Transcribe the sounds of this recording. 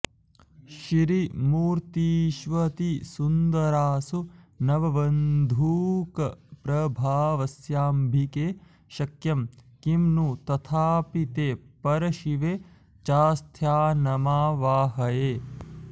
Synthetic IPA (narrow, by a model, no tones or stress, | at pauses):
ʃiɾimuːɾt̪iːʃʋɐt̪isund̪ɐɾaːsunɐʋɐʋɐnd̪ʱuːkɐpɾɐbʱaːʋɐsjaːmbʱikeː | ʃɐkjɐmkimnut̪ɐt̪ʰaːpit̪eːpɐɾɐʃiʋe | t͡ʃaːst̪ʰjaːnɐmaːʋaːɦɐjeː